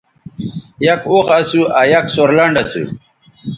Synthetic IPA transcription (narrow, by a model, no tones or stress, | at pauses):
jɐkoχɐsuʔajɐksoɾlɐɳɖɐsṵ